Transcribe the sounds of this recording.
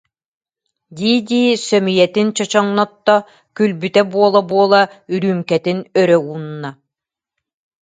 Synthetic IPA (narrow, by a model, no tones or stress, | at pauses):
d̪iːd̪iːsœmijɛt̪int͡ɕɔt͡ɕɔŋnɔt̪ːɔ | kylbyt̪ɛbuɔlˠabuɔlˠayɾyːmkɛt̪inœɾœɡuːnːa